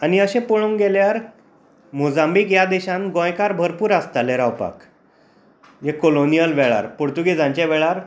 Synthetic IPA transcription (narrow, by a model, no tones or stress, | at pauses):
aniəɕẽpoɭõŋɡeljaɾ | mod͡zãmbikjad̪eɕãnɡɔ̃jkaɾbʱəɾpuːɾast̪aleɾawpa̰k | jekolonijəlʋɛɭa̰ɾpoɽt̪uɡed͡zãɲt͡ɕaʋɛɭaɾ